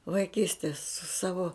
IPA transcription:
ʋɐɪˈkʲiːsʲtʲeːs sʊ ˈsɑːʋoː

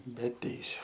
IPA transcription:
bʲɛ ˈtʲɛɪsʲʊ

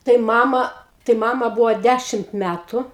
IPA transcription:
tɐɪ ˈmɑːmɐ tɐɪ ˈmɑːmɐ ˈbuːʋoː ˈdʲæʃʲɪmt ˈmʲætʊ

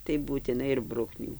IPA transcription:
tɐɪ buːtʲɪˈnɐɪ ɪr ˈbrʊknʲuː

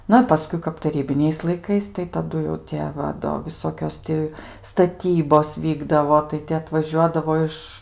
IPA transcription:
ˈnʊ ɪ pɐˈskʊɪ kɐp tɐˈrʲiːbʲɪnʲɛɪs lˠɐɪˈkɐɪs tɐɪ tɐˈdʊ jɛʊ ˈtʲiɛ ˈʋɐ ˈdoː ʋʲɪˈsoːkʲoːs ˈtʲɪ stɐˈtʲiːboːs ˈʋʲiːɡdɐʋoː tɐɪ ˈtʲɪ ɐtʋɐˈʒʲuɔdɐʋoː ˈɪʃ

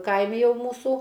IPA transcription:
ˈkɐɪmʲɪ ˈjɛʊ ˈmuːsuː

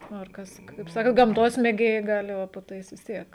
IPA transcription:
ˈnʊ ɪr ˈkɐs kɐɪp ˈsɑːkɐ ɡɐmˈtoːs mʲeːˈɡʲeːjɛɪ ˈɡɑːlʲɪ ˈʋɐ poː ˈtɐɪs ʋʲɪs ˈtʲiɛk

